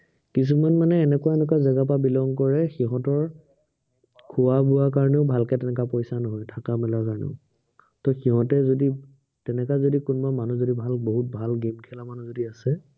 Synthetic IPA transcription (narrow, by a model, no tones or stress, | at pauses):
kis̬umanmanɛːnɛkuaɛnɛk̬azɛɡap̬abilɔŋkɔɹɛxiɦɔ̃tɔɹ | kʰʊwabuakaɹnɛʊbʱalkɛtɛnɛkapɔjsanɔɦɔjtʰakamɛlakaɹnɛ̰ʊ | tɔxiɦɔ̃tɛzodi | tɛnɛkazodikunmamanuzodibʱalboɦut̚bʱalɡemkʰɛlamanuzodiasɛ